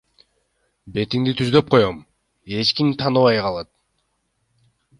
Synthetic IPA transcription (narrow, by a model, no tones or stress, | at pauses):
be̞t̪iŋd̪it̪ʰyzd̪ø̞p̚qʰo̞jom | e̞t͡ʃkimt̪ʰɑnɯβɑjqɑlˠɑt̪̚